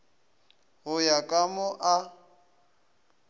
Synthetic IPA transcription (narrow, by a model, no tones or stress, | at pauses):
ɦʊjakʼamʊʔa